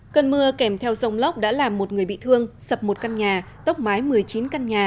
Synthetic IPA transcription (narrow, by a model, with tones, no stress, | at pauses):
kə˧nmɨ˧əkɛ˧˩mt̪ʰɛ˧wzə˧wŋ͡mlə˦˥wk͡p̚ɗa̰ː˧˥laː˨˩mːo˨˩t̚ŋɨ˨˩əjɓḭ˧˨t̪ʰɨ˧əŋsə˨˩p̚mo˨˩t̚ka˧nɲaː˨˩ | t̪ə˦˥wk͡p̚maː˨˦jmɨ˨˩əjt͡ɕi˨˦nka˧nɲaː˨˩